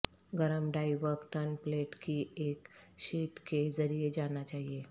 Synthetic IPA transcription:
ɡəɾəmɖajʋəkʈənpleʈkiekɕiʈked͡zəɾijed͡ʑanat͡ɕaɦie

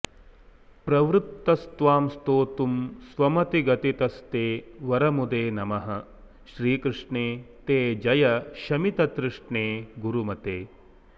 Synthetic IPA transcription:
pɾɐʋɾut̪ːɐst̪ʋaːmst̪oːt̪umsʋɐmɐt̪iɡɐt̪it̪ɐst̪eːʋɐɾɐmud̪eːnɐmɐɦɐ | ʃɾiːkɾɪʂɳeːt̪eːd͡ʒɐjɐʃɐmit̪ɐt̪ɾɪʂɳeːɡuɾumɐt̪eː

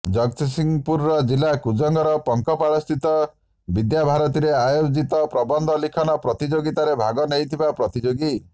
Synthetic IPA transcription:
d͡ʒɔɡt̪isiŋpuɾɔɾɔd͡ʒilakud͡ʒɔŋɡɔɾɔpɔŋkɔpaɭɔst̪it̪ɔ | bid̪jabʱaɾɔt̪iɾeajod͡ʒit̪ɔpɾɔbɔnd̪ʱɔlikʰɔnɔpɾɔt̪id͡ʒoɡit̪aɾebʱaɡɔnejt̪ʰibapɾɔt̪id͡ʒoɡi

